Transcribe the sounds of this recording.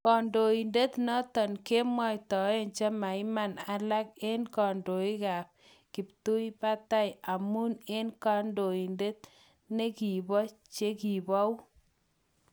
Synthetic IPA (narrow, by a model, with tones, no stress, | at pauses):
kɔ˨ndo˨i˨nde˦t̪nɔ˦tɔ˨nke˦mɔ˦jtɔ˨e˦nt͡ʃa˦ma˨ɪ˦ma˦na˦la˦ke˦nkɔ˨ndo˨i˦ka˨p̚ | ki˨p̚tu˦i˦pa˦ta˦ja˨mu˦ne˦nka˦ndo˨i˨nde˦t̪̚ | ne˦ki˨bɔ˦t͡ʃe˦ki˨bɔ˦wu˦